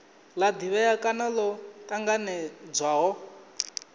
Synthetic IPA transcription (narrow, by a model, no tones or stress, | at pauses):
lad̪iβɛakʼanalɔt̪ʼaŋɡanɛd͡zwaɦɔ